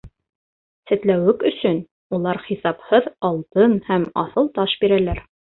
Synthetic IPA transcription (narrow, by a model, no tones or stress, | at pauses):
sɘ̆t̪læwɘkɵ̆sɵn | ulˠɑɾχisɑphɤðɑlˠt̪ɤnhæmɑ̰θɤlˠt̪ɑʃbiɾælæɾ